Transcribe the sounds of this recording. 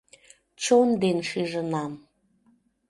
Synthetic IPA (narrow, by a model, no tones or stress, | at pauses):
t͡ɕond̪enʃiʒənɑm